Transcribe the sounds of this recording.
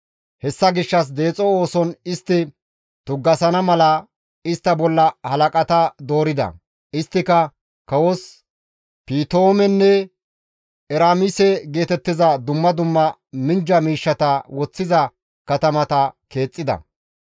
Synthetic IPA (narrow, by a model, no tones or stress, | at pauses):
hɛsːɐɡɪʃːɐs̬d̪e̞ːt͡sʼːɔo̞ːsɔnɪst̪ːɪ | t̪ʊɡːɐsɐnɐmɐlɐ | ɪst̪ːɐbɔlːɐhɐlɐkʼɐt̪ɐd̪o̞ːɾɪd̪ɐ̰ | ɪst̪ːɪkɐ | kɐwɔs | piːt̪oːmɛnːɛ | ɛɾaːmɪsɛɡe̞ːt̪ɛt̪ːɪzɐd̪ʊmːɐd̪ʊmːɐmɪnd͡ʒɐmiːʃːɐt̪ɐwɔt͡sːɪzɐ | kɐt̪ɐmɐt̪ɐke̞ːt͡sʼːɪd̪ɐ̰